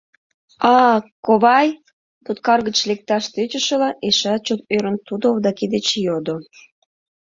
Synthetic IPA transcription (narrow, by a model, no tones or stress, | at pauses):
ɑkoβɑj | t̪ut̪̚kɑrɣət͡ɕlek̚t̪ɑʃt̪øt͡ɕəʃəlɑʔeʃɑt͡ɕot̪̚øɾənt̪ud̪oβd̪ɑked̪et͡ɕjod̪o